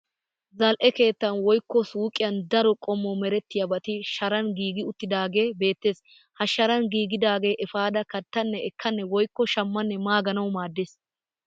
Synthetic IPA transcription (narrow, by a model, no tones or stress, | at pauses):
zɐlʔɛke̞ːt̪ːɐnwɔjkːɔsuːkʼɪjɐnd̪ɐɾɔkʼɔmːɔmɛɾɛt̪ːɪjɐbɐt̪ɪʃɐɾɐnɡiːɡɪʊt̪ːɪd̪aːɡe̞ːbe̞ːt̪ːeːs | hɐʃɐɾɐnɡiːɡɪd̪aːɡe̞ːʔɛfaːd̪ɐkɐt̪ːɐnːɛɛkːɐnːɛwɔjkːɔʃɐmːɐnːɛmaːɡɐnɐwmaːd̪ːeːs